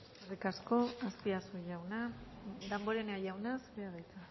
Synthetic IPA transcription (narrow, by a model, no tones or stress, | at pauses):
erikasko̞aspiasuʝawna | d̪ambo̞ɾeneajawnasbeaðajt͡sa